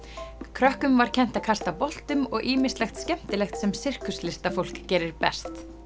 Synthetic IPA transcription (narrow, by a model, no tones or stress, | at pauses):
kʰɾœhkʏmvaɾ̥cʰɛn̥t̪aðkʰast̪apɔl̥t̪ʏmɔɣʔiːmɪslɛxt̪scɛm̥t̪ɪlɛxt̪sɛmsɪr̥kʏslɪst̪afowl̥kcɛːɾɪɾpɛst̪